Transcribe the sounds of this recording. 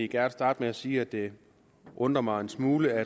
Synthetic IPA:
iɡ̥æɐnsd̥ɑ̈ːd̥meæsiːæd̥e̝ | ʔɔ̽nd̥ʁɐmɑ̈ɪensmuːləæ

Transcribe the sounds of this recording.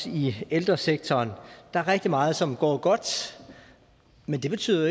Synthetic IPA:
ield̥ʁɐseɡ̥̚t͡sʰɒːnd̥ɑ̈æɐʁeɡ̥̚d̥imɑ̈ːð̞̩ˠsɒ̽mɡ̥ɒ̰ːɡ̥ɒ̽d̥ | mend̥e̝b̥e̝t͡sʰy̰ːðˠɐ

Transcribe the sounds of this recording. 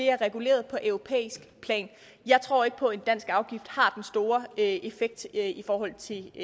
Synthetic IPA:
d̥e̝æɐʁɛɡ̥ule̝̰ːɐð̞ˠpʰɒ̽ʔœʊʁo̝pʰḛːisɡ̥pʰlɛ̰ːn | jɑ̈ɪt͡sʰʁo̝̰ɐ̰e̝ɡ̥ə̥pʰɒ̽e̝nd̥æn̰sɡ̥ɑ̈ʊɡ̥ifd̥hɑ̈d̥ensd̥o̝ːɐe̝feɡ̥̚d̥ifɒːɦɒ̽l̰t͡sʰe̝

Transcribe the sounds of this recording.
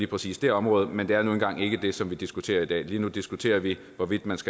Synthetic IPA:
liːpʰʁɛsḭːsd̥e̝ɒ̽mʁɔ̽ːð̩ˠmend̥e̝æɐnuːn̩ɡ̥ɑ̈ŋ̰e̝ɡ̥əd̥e̝sɒ̽mʋid̥isɡ̥ut͡sʰe̝̰ːɐid̥ɛ̰ːliːnud̥isɡ̥ut͡sʰe̝̰ːɐʋi | ʋɒ̽ʋid̥mænsɡ̥

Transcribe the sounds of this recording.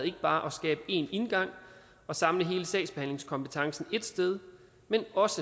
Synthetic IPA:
ð̩ˠe̝ɡ̥əb̥ɑ̈ːʔɒ̽sɡ̥ɛ̰ːb̥əe̝̰ne̝nɡ̥ɑ̈ŋ̰ | ɒ̽sɑ̈mləɦe̝ːləsdɛ̰ɪ̥sb̥ehæn̰le̝ŋskʰɒ̽mpət͡sʰɑ̈ŋsn̩e̝d̥sd̥eð̞ˠ | menɒ̽sə

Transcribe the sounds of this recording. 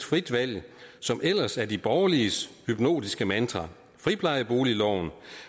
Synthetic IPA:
d̥fʁid̥ʋæl̰jsɒ̽mʔel̰ɐsæɐdib̥ɒːɐliəshyb̥no̝̰ːd̥isɡ̥əmænd̥ʁɑ | fʁipʰlɑ̈ɪb̥o̝ːlilɒʊn̩

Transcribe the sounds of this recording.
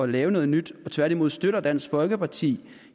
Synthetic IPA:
ɒ̽lɛːʊnɔ̽ːð̞̩ˠnyd̥ɒ̽t͡sʰʋæɐɾ̥imo̝ð̰ˠsd̥øɾɐd̥æn̰sɡ̥fɒ̽lɡ̥əpɑ̈t͡sʰḭː

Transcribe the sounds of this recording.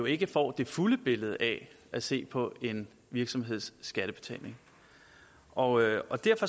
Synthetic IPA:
o̝e̝ɡ̥əfɒ̰ːd̥e̝fuləb̥e̝ləð̞̩ˠɛ | ʔæse̝̰ːpʰɒ̽e̝n | ʋiɐɡ̥sɒ̽mɦe̝ð̞̰ˠsːɡ̥æɾ̥əb̥e̝t͡sʰɛ̰ːne̝ŋ | ʔɒ̽ɒ̽d̥æɐfɒ̽

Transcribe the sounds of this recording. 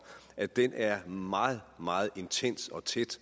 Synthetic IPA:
ʔæd̥enʔæɐmɑ̈ːð̩ˠmɑ̈ːð̞̩ˠe̝nt͡sʰen̰sɒ̽t͡sʰed̥

